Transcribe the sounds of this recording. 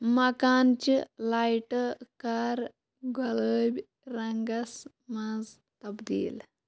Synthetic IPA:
mɐkaːnt͡ʃilajʈkaɾ | ɡoləbʲ | ɾɐŋɡɐs | mɐd͡z | t̪ɐbd̪ḭːl

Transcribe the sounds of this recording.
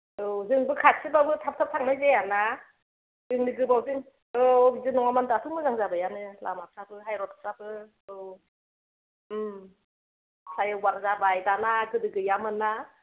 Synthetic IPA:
ɯzɯŋbɯkʰat̚sʰɯbawɡɯtʰap̚tʰap̚tʰaŋnajzejana | zɯŋniɡɯbawzɯŋ | ɯizɯnɔŋamandɯatʰɯmɯzaŋzabajanɯla̰map̚sabɯɦajɾɔtʰḁp̚sabɯ | ɯw | m | sʰajɯwaɾzabajdanakɯdɯɡɯjamɯna

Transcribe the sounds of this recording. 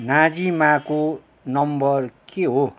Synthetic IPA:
nãd͡zimãko | nʌmbʌrkeɦo

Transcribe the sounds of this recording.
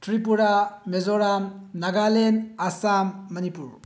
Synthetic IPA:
tʰɾip̬uɾamezoɾamnaɡalenasamːɐnipuɾ

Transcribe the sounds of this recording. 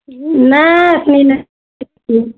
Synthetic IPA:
nasnina | i

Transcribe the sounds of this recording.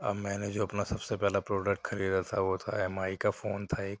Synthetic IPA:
ɐ̰bmɛ̃ːned͡ʒoːɐpnasɐbsepɛɦlapɾoːɖək̚ʈxɐɾiːd̪at̪ʰaʋot̪ʰa̰ɛmaːikafoːnt̪ʰaeːk̚

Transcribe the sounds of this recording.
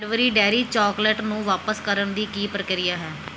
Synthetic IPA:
ɖʋəɾiːɖɛːɾiːt͡ʃɔːklɛʈnũːʋaːpəskəɾənd̪iːkiːpɾəkɪɾijaːɦɛː

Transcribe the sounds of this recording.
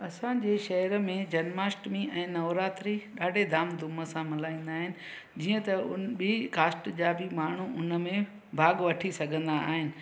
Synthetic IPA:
ɐsãd͡ʑeːʃɐɦəɾmẽd͡ʑɐnmaːsʈmĩʔɛ̃ːnɐʋɾaːt̪ɾiɗaːɖʱed̪ʱaːmd̪ʱʊməsãmɪlaːĩːn̆d̪aːɦɪnɪ̆ | d͡ʑiːə̃t̪ɐʊbikaːsʈd͡ʑaːbɪmaːɳ̤uʔʊnə̆mẽ | bʱaːɠʋɐʈʰisɐɡʱə̃nd̪aaːɦɪnɪ̆

